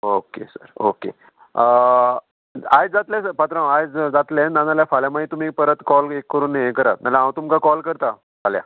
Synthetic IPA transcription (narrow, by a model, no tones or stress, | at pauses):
okḛsə̰ɾo̰kḛ | ə | ajd͡zat̪lẽsəpat̪ɾãwajd͡zd͡zat̪lẽnanaljafaljamait̪um̤ipəɾət̪kɔlekːəɾuːnːaekəɾat̪̚nalaɦãwt̪umkakɔlkəɾt̪a | falja̰